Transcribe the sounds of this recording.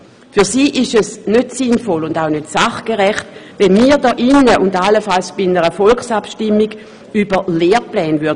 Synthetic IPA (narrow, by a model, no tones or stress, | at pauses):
fyɐsiːʔɪʃɛsnøtsinfɔlʊndaʊnøtsaχkəʁɛχtvɛnmiːdɔːʔinːəʔʊndalːəfalsb̥inəʁəfɔlksapʃtɪmːiɡ | ybəleːʁplɛːnvyɐ